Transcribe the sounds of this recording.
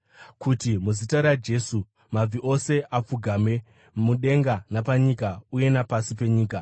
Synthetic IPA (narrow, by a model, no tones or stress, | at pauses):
kutimuzitaɾad͡ʒe̞ːsu | mab͡viʔo̞se̞ʔap͡fuɡʱame̞ | muɗe̞ŋɡanapaɲikauje̞napasipe̞ɲiːka